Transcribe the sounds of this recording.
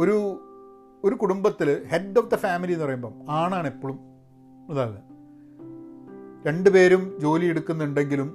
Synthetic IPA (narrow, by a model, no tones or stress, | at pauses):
o̞ɾu | o̞ɾukuɽumbɐt̪ːilhe̞dofd̪ɐfaːmilienːɨpɐrɐjumboːmaːɳaːɳepːoɭum | ɐðaːlɨ | ɾe̞ɳɖupe̞ːɾumd͡ʑo̞ːlijeɽukːunːɐuɳɖe̞ŋɡilum